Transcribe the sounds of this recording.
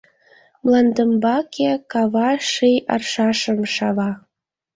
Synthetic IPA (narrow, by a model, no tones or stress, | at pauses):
mlˠɑnd̪əmbɑkʰekɑβɑʃijɑ̰rʃɑʃə̆mʃɑβɑ